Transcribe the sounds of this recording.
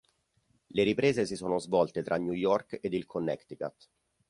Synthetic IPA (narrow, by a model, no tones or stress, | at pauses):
leɾipɾeːzesisoːnozvɔlt̪et̪ɾʔaɲːujɔrked̪ilkʰonːɛ̰kt̪ika̰t̪